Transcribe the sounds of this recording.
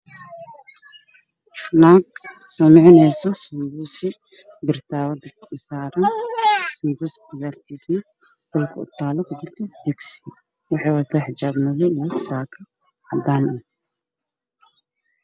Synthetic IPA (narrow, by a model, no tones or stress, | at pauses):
fnaːɡsɐmɪʕɪnɛjsɔsɐmbusɪ | bɪrt̪ʰaːwɐd̪ɪkʰɪsaːɾɐnsɐmbuskʊjaːrt̪ʰiːsnɐ | ɡ̥ɔlkʰʊ̰ʊ̰t̪ʰaːlɔkʰʊd͡ʒɪrt̪ʰɔd̪ɪksɪ̥ | wɑħɑːwɑt̪ʰaːħɪd͡ʒaːbnɐðɔijɔsaːkʰɐ | ʕɑd̪aːnɐ